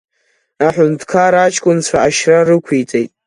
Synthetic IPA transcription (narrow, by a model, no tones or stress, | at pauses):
aħʷʊntʰkʰaɾat͡ʃʰkʷʼʊnt͡sʷʰaaʃrarɨkʷʰit͡sʼejtʼ